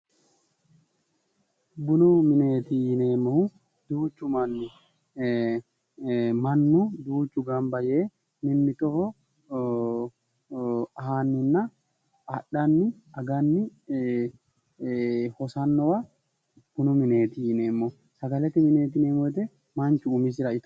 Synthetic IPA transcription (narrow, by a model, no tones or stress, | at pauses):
bʊnʊmɪneːt̪ɪːneːmːɔ | d̪uːt͡ʃːʊmɐnːɪ | mɐnːʊd̪uːt͡ʃːʊɡɐmbɐjeː | mɪmːɪt̪ɔfɔ | haːnːɪnːɐ | ɐɗːɐnːɪ | ɐɡɐnːɪ | hɔsɐnːɔwɐ | b̥ʊnʊmɪne̞ːt̪ɪine̞ːmːɔ | sɐɡɐlɛt̪ɪmɪne̞ːt̪ɪneːmːɔɛt̪ɛ | mɐnt͡ʃːʊːmɪs̬ɪɾɐɪt̪